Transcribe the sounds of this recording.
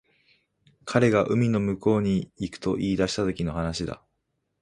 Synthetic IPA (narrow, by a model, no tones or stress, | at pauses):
kʰaɾe̞ɡaʔɯ̟mʲino̞mɯ̟ko̞ːɲ̟iːkɯ̟̥t̪o̞ʔiːd̪aɕi̥t̪at̪o̞kʲino̞ɦanaɕid̪a̰